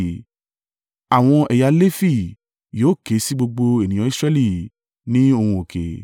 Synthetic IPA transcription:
a˨w̃ɔ̃˧ɛ˨ja˧le˦fi˦˨ | jo˨˦˨ke˨˦si˦ɡ͡bo˧ɡ͡bo˧e˨nĩ˨jɔ̃˨˦i˦sɾɛ˧˦li˦˨ | nĩ˦o˧hũ˧o˨kḛ˨

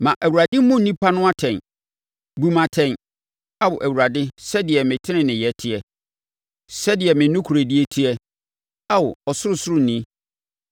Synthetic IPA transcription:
mã˨ʔæ˨wu˨ɾa˨dɪ˦mʊ̃˦n̩˨nĩ˦pʰa˦nʊ̃˦a˦tʰɛ̃˨n | bu˦mã˨tʰɛ̃˦n | a˦wʊ˨ʔæ˨wu˨ɾa˨dɪ˦sɛ˦dɪ˨ɛ˨mɪ̃˨tʰɪ̃˦nɪ̃˨nɪ̃˨jɛ˨tʰɪ˦ɛ˨ | sɛ˦dɪ˨ɛ˨mɪ̃˨nːʊ̃˦kʰu˨ɾe˨di˦ɛ˦tʰi˦ɛ˦ | a˦wʊ˨ɔ˨sʊ˦ɾʊ˦sʊ˦ɾʊ˦˨nĩ˦

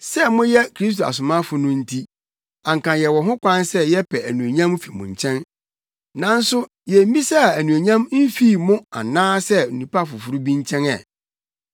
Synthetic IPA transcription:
sɛ˦mʊ̃˦jɛ˦kʰɾi˦s̬t̬o˨a̰˨s̬ʊ˨mã˦fʊ˨nʊ̃˦n̩˦tʰi˦ | ã˨ŋkã˨njɛ˨wɔ˨ɦʊ̃˦kʷã˦nsɛ˦jɛ˦pʰɛ˨æ˨nũ˨æ˨ɲã˦m˦fi˨mʊ̰̃˨ɲ˨t͡ɕʰɛ̃˦n | nã˨n̩˦sʊ˦ | jɛ˨m̩˦bĩ˦sa˦˨æ˨nũ˨æ˨ɲã˦mm̩˦fiː˦˨mʊ̃˦a̰˨nãː˦sɛ˦u˨nũ˨pa˦˨fʊ˨fʊ˨ɾʊ˦bi˦ɲ˦t͡ɕʰɛ̃˦nɛ̰˨

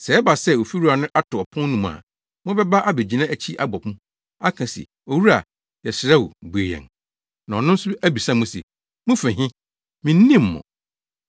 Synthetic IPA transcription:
sɛ˨˦ɛ˦ba˨sɛ˦˨o˨fi˦ɾu˦a˨nʊ̃˦ʔa˦tʰʊ˨ɔ˨pʰʊ̃˦n˦nũ˦m˨a̰˨ | mʊ̃˦bɛ˦ba˦ʔa˦be˨d͡ʑi˨nã˦æ˨t͡ɕʰi˦ʔa˦bɔ˨pʰʊ̃˦ | a˦kʰã˨sɛ̰˨ | o˨wu˦ɾa˨ | jɛ˨sɪ˨ɾɛ˦wu˨bu˨e˨jɛ̰̃˨n | nã˨ɔ˨nʊ̃˦n̩˦sʊ˦æ˦bi˨sã˦˨mʊ̃˦sḛ˨ | mʊ̃˦fɪ̃˨ɦɪ̃˦ | mɪ̃˨n̩˦nĩ˦mː˨ɔ̰̃˨

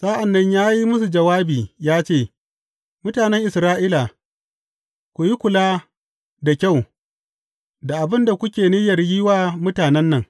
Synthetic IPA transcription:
sa˦ʔa˨nːɐ˦ɲjaː˦ji˦mʊ˦s̬u˨d͡ʒɐ˨waː˦biː˨jaː˦t͡ʃeː˦˨ | mʊ˦taː˨nɛ˦ŋʔɪ˨sɾaː˦ʔiː˦la˨ | kʷu˨ji˦kʷʊ˨laː˦ | da˨kʲa˦˨w | da˨ʔa˨bɪ˦nda˨kʷʊ˦kʲeː˨ni˦jɐ˨rjiː˦waː˦mʊ˦taː˨nɛ˦nːɐ˨ŋ

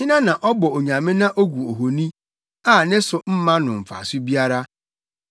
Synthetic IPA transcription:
hɪ˦nã˦nã˨ʔɔ˦bɔ˨o˨ɲã˨mɪ̃˦nã˦ʔo˦ɡʷu˨o˨ɦo˨nĩ˦ | aː˦˨nɪ̃˦sʊ˨m̩˦mã˦nʊ̃˨m̩˨fa̰˨sʊ˦bi˦a˦ɾa˦

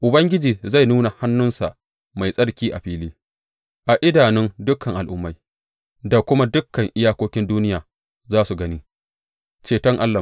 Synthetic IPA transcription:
ʔʊ˨bɐ˦ŋɡʲɪ˦d͡ʒiː˨za˦˨jnuː˦na˨ha˦nːʊ˦nsa̰˨ʔ | ma˨jsʼɐ˦ɽkʲiː˦ʔa˨ɸiː˦liː˦ | ʔa˨ʔɪ˦daː˨nɪ˦ndʊ˦kʰːɐ˨ŋʔa˨lʔʊ˦mːa˦j | da˨kʷʊ˦ma˦dʊ˦kːɐ˨ŋʔɪ˦jaː˦kʷoː˦kʲɪ˦nduː˦nɪ˦jaː˨ | zaː˦su˨ɡɐ˦niː˦ | t͡ʃeː˨tɐ˦ŋʔa˦lːɐ˨

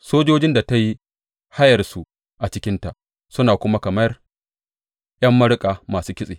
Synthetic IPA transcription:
soː˦d͡ʒoː˦d͡ʒɪ˦nda˨ta˦ji˦ | ha˦jɐ˨rsu˨ | ʔa˨t͡ʃɪ˦kʲɪ˦nta˨ | sʊ˦naː˨kʷʊ˦ma˦kɐ˨mɐ˦r | j̰ɐ˦mːɐ˦ɽkʼaː˨maː˨suː˦kʲɪ˦sʼeː˨

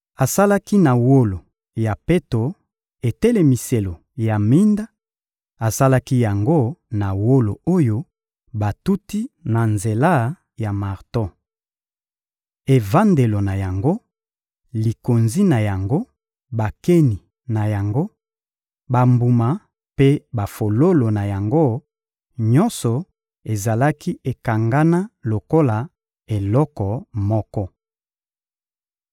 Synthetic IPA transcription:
a˨sa˦la˦ki˦na˨wo˦lo˨ | ja˨pe˦to˨ | e˨te˦le˨mi˨se˨lo˨ | ja˨mi˦nda˦ | a˨sa˦la˦ki˦ja˨ŋɡo˦na˨wo˦lo˨o˦jo˦ | ba˨tu˦ti˦na˨nze˨la˦˨ | ja˨ma˨ʁtɔ̃˦˨ | e˨va˦nde˨lo˨na˨ja˨ŋɡo˦ | li˨ko˨nzi˦na˨ja˨ŋɡo˦ | ba˨ke˦ni˨ | na˨ja˨ŋɡo˦ | ba˨mbu˨ma˨ | pe˦ba˨fo˨lo˦lo˨na˨ja˨ŋɡo˦ | ɲɔ˦nsɔ˨ | e˨za˨la˦ki˦ʔe˨ka˨ŋɡa˦na˦lo˨ko˦la˨ | e˨lɔ˦kɔ˨mɔ˦kɔ˦

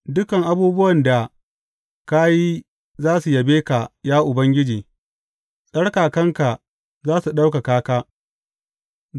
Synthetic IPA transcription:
dʊ˦kɐ˨ŋʔa˦buː˦bʊ˦wɐ˨nda˨ | ka˦ji˦ | zaː˦su˨jɐ˨beː˦ka˨jaː˦ʔʊ˨bɐ˦ŋɡʲɪ˦d͡ʒiː˨ | sʼɐ˦ɽkaː˨kɐ˦ŋka˨ | zaː˦su˨ɗa˦wka˨kaː˦kaː˦

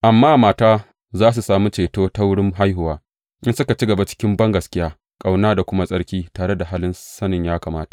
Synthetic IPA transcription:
ʔa˨mːaː˦ʔmaː˨taː˦ | zaː˦s̬u˨saː˨mu˦t͡ʃeː˨toː˦ta˦wɽɪ˦mɦa˦jɦʊ˨waː˦ | ʔɪ˦nsʊ˦ka˨t͡ʃi˦ɡɐ˨ba˦t͡ʃɪ̥˦kʲɪ˦mbɐ˦ŋɡɐ˨skʲɪ˦jaː˦ | kʼa˨wnaː˦da˨kʷʊ˦ma˦sʼɐ˦ɽkʲiː˦taː˨ɽe˦da˨ɦaː˦lɪ˦nsɐ˦nɪ˨ɲjaː˦kaː˨maː˦tḁ˨ʔ

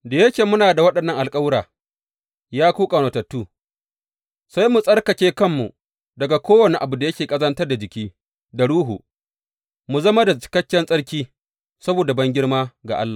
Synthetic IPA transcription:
da˨jɐ˦kʲeː˨mʊ˦naː˨da˨wɐ˦ɗɐ˨nːɐ˦ŋʔa˨lkʼɐ˦wɽaː˨ | jaː˦kʷuː˦kʼa˨noː˨tɐ˨tːuː˦ | sa˦jmu˨sʼɐ˦ɽkɐ˨kʲeː˦kɐ˦mːṵ˨ | dɐ˨ɡa˨kʷoː˦wɐ˨ni˨ʔa˨bu˨da˨jɐ˦kʲeː˨kʼɐ˦zɐ˦ntɐ˦rda˨d͡ʒɪ˨kʲiː˦ | da˨ɽuː˦ɦṵ˨ | mu˨zɐ˦ma˦da˨t͡ʃɪ̥˨kɐ˦kʲːɛ˦nsʼɐ˦ɽkʲiː˦ | sɐ˦boː˨da˨bɐ˦ŋɡʲɪ˦ɽmaː˦ɡa̰˨ʔa̰˦lːaː˨

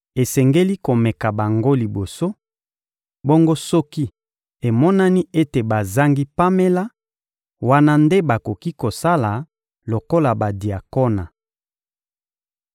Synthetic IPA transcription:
e˨sɛ˨ŋɡe˦li˦ko˨mɛ˨ka˨ba˨ŋɡo˦li˨bo˨so˦ | bo˦ŋɡo˦sɔ˦ki˦ | e˨mɔ˦na˦ni˦e˦te˨ba˨za˦ŋɡi˦pa˦me˦la˦ | wa˦na˦nde˦ba˨ko˨ki˦ko˨sa˦la˨ | lo˨ko˦la˨ba˨di˨a˨ko˦na˨

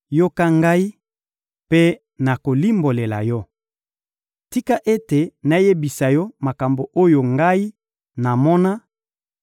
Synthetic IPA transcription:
jo˦ka˦ŋɡa˦i˦ | pe˦ | na˨ko˨li˦mbo˨le˨la̰˨jɔ˦ | ti˦ka˦ʔe˦te˨na˨je˦bi˨sa˨jɔ˦ma˨ka˨mbo˨ʔo˦jo˨ŋɡa˦i˦ | na˨mɔ˦na˦

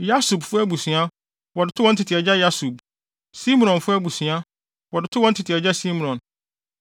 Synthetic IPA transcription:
ja˦su˨bfʊ˦æ˦bu˨sĩ˨a˦ | wɔ˨dɪ˨tʰʊ˦wɔ̃˦n̩˦tʰɪ˨tʰɪ˨ɛ˨d͡ʑa˦ja˦su˨b̚ | si˦m̃˨ɔ̃˨nfʊ˦æ˦bu˨sĩ˨a˦ | wɔ˨dɪ˨tʰʊ˦wɔ˦n̩˦tʰɪ˨tʰɪ˨ɛ˨d͡ʑa˦si˦m̃˨ɔ̃˨n

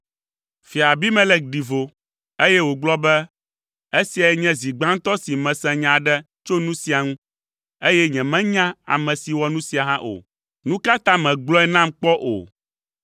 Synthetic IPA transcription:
fi˨a˨bi˦mɛ̃˦lɛ˦k̚ɖi˨vo˨ | e˦jɛ˦wo˨ɡ͡blɔ˦bɛ˦ | e˦si˨a˨ɛ˦ɲɛ̃˦zi˨ɡ͡bã˦ŋ̩˦t̪ɔ˦si˨mɛ̃˨sɛ̃˨ɲã˨ɖɛ˦ | t͡ʃo˦nũ˦si˨a˨ŋũ˦ | e˦jɛ˦ɲɛ̃˨mɛ̃˦ɲã˦a̰˨mɛ̃˨si˨wɔ˦nũ˦si˨a˨ɦã˦ʔo̰˨ | nũ˦ka˦t̪ã˦mɛ̃˨ɡ͡blɔ˦ɛ˦nã˦mk͡pɔ˦ʔo̰˨

